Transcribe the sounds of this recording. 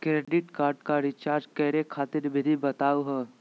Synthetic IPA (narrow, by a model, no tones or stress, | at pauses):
kɾeːɖɪʈkaːɾɖkaɾɪt͡ʃaːɾd͡ʒkɛɦɾekʰaːt̪ɪɾbʱɪd̪ʱibɐt̪aːuɦɛː